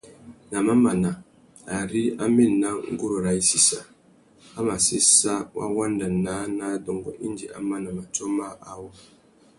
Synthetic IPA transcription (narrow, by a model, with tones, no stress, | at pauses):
na˨ma˦ma˨na˨ | a˨ɾi˦a˦me˦n˨na˦ŋ̩˦ɡu˦ɾo˨ɾa˨i˦si˦sa˨ | a˦ma˨sɪ˦sa˦wʔa̰˦wa˦n˦da˨naː˨˦na˨˦dɔ˨ŋ˨ɡɔ̰˨ʔi˦n˦d͡ʒi˨ʔa̰˦ma˦na˨ma˨to˦ma˦ʔa˨wʊ˦